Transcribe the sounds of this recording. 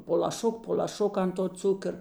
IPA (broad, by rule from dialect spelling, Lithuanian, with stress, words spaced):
poː lˠɐˈʃʊk poː lʲɐˈʃʊk ɐnt toː ˈt͡sʊkər